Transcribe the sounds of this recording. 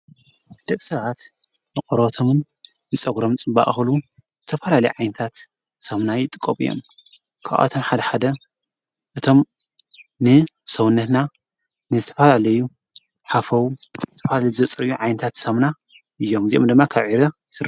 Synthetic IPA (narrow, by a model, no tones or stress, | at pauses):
d̪̥ɐβsɐβat̪ | nɨkʼɔɾt̪ʰomɨn | jɨt͡sʼɐɡɾomt͡sʼɨmba̰ʔʼxlu | z̥ɨt̪ʰɐfɐlalɐjuʕajnɐt̪ʰat̪ | sɐmnajɪt̪ʼɨ̥kʼːomɨ̰jːo̰m | kʰaʔa̰t̪ʰo̞mħad̪ɐħad̪ɐ | ʔɨt̪ʰo̞m | nɨsɐwunːɐt̪na | nɨzɨt̪ʰɐ̥fɐlalɐju | ħafɐwuzɨt̪ʰɐfɐlalɐjuzɐt͡sʼɐɾɨjːuʕajnɐt̪ʰat̪sɐmna | ʔɨjːo̞mziʔomd̪ɨmːakʰaβʕiɾɐ | sɨɾ